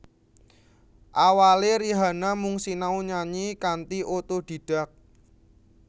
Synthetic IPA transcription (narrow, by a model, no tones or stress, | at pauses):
ʔawaleɾiɦanamuŋsinauɲaɲikant̪iʔot̪od̪̥i̤ɖ̥a̤k̚